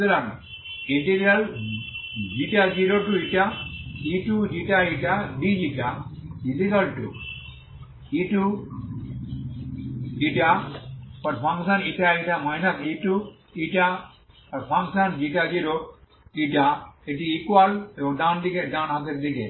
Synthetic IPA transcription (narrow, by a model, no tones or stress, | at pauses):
lan | iʈiɾial | d͡ʒiʈad͡ʒiɾoʈuiʈaiʈud͡ʒiʈaiʈaɖid͡ʒiʈailikɐlʈṵ | iʈu | iʈapɐɾpʰãŋɡsɐniʈaiʈamainɐt̪iʈu | iʈa | pɐɾpʰãŋsɐnd͡ʒiʈad͡ʒiɾo | iʈaiʈiikwaled̪ãnd̪ikedãːnɦãt̪eɾd̪ikḛ